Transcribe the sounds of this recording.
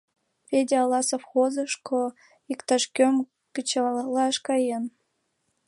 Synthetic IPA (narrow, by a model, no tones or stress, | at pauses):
pʲedʲeɑlɑsofxozɤ̆ʃkʰo | ikt̪ɑʃkʲøm | kə̆t͡ɕɑlɑʃkɑjen